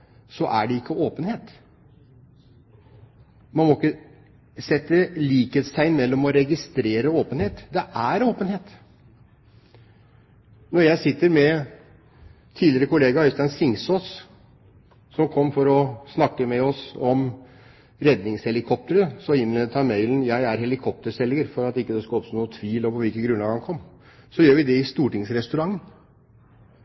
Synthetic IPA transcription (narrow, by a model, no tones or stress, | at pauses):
sɔʔæ̰ɖɛɪkːəoːpənheːt̪ | mɑnmɔɪkːə | sɛt̪ːəliːkheːt̪sæɪɪnmɛlːɔmɔɾɛɡɪst̪ɾeːɾəoːpənheːt̪d̪ɛʔæɾoːpənheːt̪ | nɔɾjæɪsɪt̪ːəɾmɛ | t̪ʰiːlɪɾəkʊleːɡɑʉst̪ɑnsɪŋsoːs | sɔmkʰɔmːfɔɾɔsnɑkːəmɛɔsɔm | ɾɛd̪nɪŋshɛlɪkʰɔp̚t̪əɾəsɔɪnleːd̪ət̪ʰɑmeɪlən̩jæɪæɾhɛlɪkʰɔp̚t̪əɾsɛlːɪŋəɾfɔɾɑt̪ɪkːəd̪ɛskɑɔpst̪ːnuːət̪ʰʋiːlɔpɔʋɪlkənɡɾʉnɑɡɑŋkʰɔmː | sɔjøːɾʋɪd̪ɛɪst̪uːʈɪŋsɾɛst̪ʉɾɑŋːən